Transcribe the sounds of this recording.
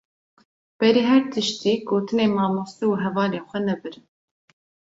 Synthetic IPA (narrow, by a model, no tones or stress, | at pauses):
b̥ɛɾiːɦɛɾt̪ʰɨʃt̪iːɡoːt̪ʰɨneːmɑːmost̪iuɦɛvɑːleːxʷɛnɛbɨɾɨn